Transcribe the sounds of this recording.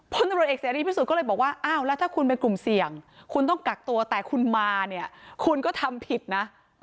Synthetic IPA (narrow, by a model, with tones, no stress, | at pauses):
pʰu˧˥na˧mɾt̪̚eː˨˩k̚saː˨˦ɾiː˥˩pʰiː˥˩u˨˩t̪kɔ˥˩lːjbɔː˨˩k̚waː˥˩ʔaː˧˥˩wlɛː˦˥wt̪ʰaː˥˩kʰu˧npe˧nku˨˩msi˨˩əŋkʰu˧nt̪ɔ˥˩ŋka˨˩k̚t̪u˧ɐt̪ɛː˨˩kʰu˧nmaː˧ni˥˩ɐkʰu˧nkɔ˥˩t̪ʰa˧mpʰi˨˩t̪̚na˦˥